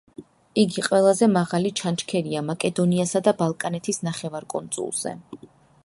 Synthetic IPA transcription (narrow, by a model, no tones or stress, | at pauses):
iɡiqʼwɛlˠazɛmaʁalit͡ʃʰant͡ʃkʰɛɾiamakʼɛd̪ɔniasad̪abalˠkʼanɛt̪ʰisnaχɛvaɾkʼɔ̰nt̪sʼṵlˠz̥ɛ̰